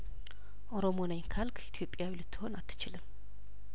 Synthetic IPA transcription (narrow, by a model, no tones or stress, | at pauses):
oɾomonajŋkʰalkʰit̪ʰjopʼjawilɨt̪ʰːɨhonat̪ʰːɨ̥t͡ʃʰɨlɨm